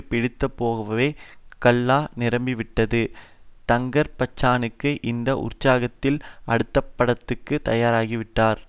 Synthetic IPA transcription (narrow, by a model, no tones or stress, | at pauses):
pɪɽɪt̪ːɐpːoːɣɐʋɐʋeːkɐɭːaːnɪɾɐmbɪʋɪʈːɐðɯt̪ɐŋɡɐɾpɐt͡ʃːaːnɯkːɯʔɪnd̪ɐʔʊ̰ɾt͡ʃːaːɣɐt̪ːɪlɐɽɯt̪ːɐpːɐɽɐt̪ːɯkːɯt̪ɐjaːɾaːɣiʋɪʈːaːɾ